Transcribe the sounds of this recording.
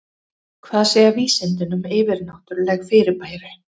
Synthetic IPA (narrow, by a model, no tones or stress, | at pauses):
kʰvaːðsejaviːsɛnt̪ɪnʏmɪːvɪɾnaht̪ʏɾlɛːɣfɪːɾɪɾpaːjɾʏ